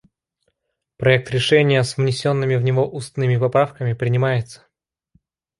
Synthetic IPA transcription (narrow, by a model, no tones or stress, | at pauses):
pɾɐɛk̚t̪ɾʲɪʂɛnʲɪjəsvnʲɪsʲo̞nːɨmʲɪvnʲɪvo̞ʔust̪nɨmʲɪpɐpɾafkəmʲɪpɾʲɪnʲɪmajɪt̪sə̥